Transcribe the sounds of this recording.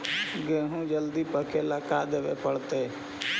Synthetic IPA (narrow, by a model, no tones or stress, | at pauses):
ɡeːɦũːd͡ʒəld̪iːpəkʰeːləkaːd̪eːʋḛːpəɽt̪eː